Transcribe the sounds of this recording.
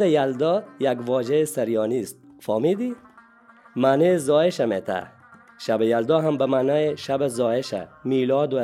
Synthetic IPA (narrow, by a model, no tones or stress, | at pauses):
ɐjald̪ɔjaɡʋɔːd͡ʒɐesɐɾjɔːnist̪̚ | fɔːmid̪i | maːnezɔːeʃɐmet̪ʰa̰ | ʃabejald̪ɔɦambɐmaːnɔːeʃabezɔːeʃa̰miːlɔːd̪u